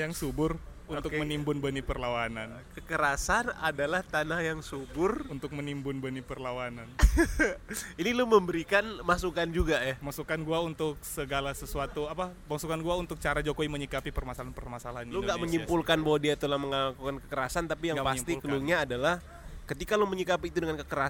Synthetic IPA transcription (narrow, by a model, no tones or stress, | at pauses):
jaŋsubʊr | unt̪ʊkkmənimbʊnbənipərlawanan | kəkəɾasana̰dalaht̪anahjaŋsubʊrunt̪ʊk̚mənimbʊnbənipərlawanan | iniluməmbəɾikanmasukand͡ʒuɡajamasukanɡuaunt̪ʊk̚səɡalasəsuat̪uapabasukanɡuaunt̪ʊk̚t͡ʃaɾad͡ʒokoiməɲikapipərmasalanpərmasalaɦanluɡaʔməɲimpulkanbawadiat̪ulahməŋakukankə̥kəɾasant̪apijaŋpast̪ikəluɲaːdalah | kət̪ikaluməɲikapiːt̪udəŋankəkəɾa